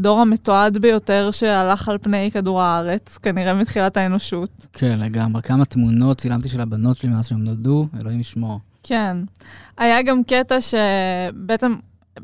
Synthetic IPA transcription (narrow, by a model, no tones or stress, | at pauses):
do̞ʁametoadbejo̞teʁʃealaχalpne̞jkaduʁaaʁe̞t͡skaniʁe̞mit̪χilataeno̞ʃutkʰenleɡamʁekamat̪muno̞tt͡silamt̪iʃelabano̞tʃelimeasʃeemnoldueloimiʃmo | kʰe̞najaɡamketaʃe̞beet͡sem